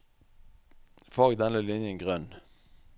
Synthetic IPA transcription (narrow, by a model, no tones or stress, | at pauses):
fɔʁɡd̪ɛnləlɪnjənɡʁœn